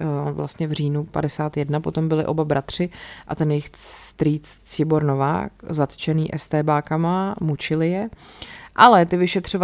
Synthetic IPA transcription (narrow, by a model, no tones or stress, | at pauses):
vla̰st̪ɲɛvriːnupa̰dɛsaːt̪jɛdnapo̞t̪o̞mbɪlɪ̰ʔo̞babɾʔat̪r̝̥ɪʔa̰t̪ɛnjɪxst̪ɾiːt͡st͡sɪboɾno̞va̰ːkzat̪t͡ʃɛniːʔɛst̪ɛːbaːkamamut͡ʃɪlɪjɛʔalɛt̪ɪvɪʃɛt̪r̝̥ov